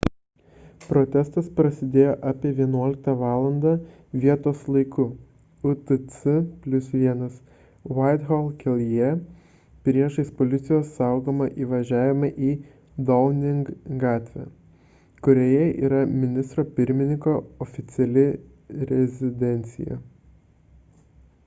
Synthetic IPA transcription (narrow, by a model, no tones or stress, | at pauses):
pɾoːt̪ʲɛst̪ɐspɾɐsʲɪd̪ʲeːjoːʔɑːpʲiɛʋʲiɛnuɔlʲɪk̚t̪ɐʋɑːlˠɐnd̪ɑː | ʋʲiɛt̪oːslˠɐɪkʊ | ʊt̪ɨsɨpʲlʲʊsʋʲiɛnɐs | ʋaɪt̪ɣolˠkʲʰɛlʲˠjɛ | pʲɾʲiɛʃɐɪspolʲɪt̪sʲɪjoːsːɑˑʊɡoːmɐʔiːʋɐʒʲæːʋʲɪmɐʔiː | d̪ɔlˠnʲɪŋɡɡɑːt̪ʲʋʲɛ̰ | kʊɾʲoːjɛʔḭːɾɐmʲɪnʲɪst̪ɾoːpʲɪɾʲmʲɪnʲɪŋkoːɔfʲɪt̪sʲɛlʲɪ | ɾʲɛzʲɪd̪ʲɛnʲt̪sʲɪ̰jɛ̰